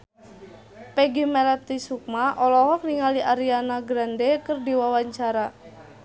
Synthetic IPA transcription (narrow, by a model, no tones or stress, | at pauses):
pɛɡimɛlat̪ːisuk̚maʔɔlɔɦɔk̚niŋaliʔaɾianaɡɾandɛkərdiwawaɲt͡ʃaɾa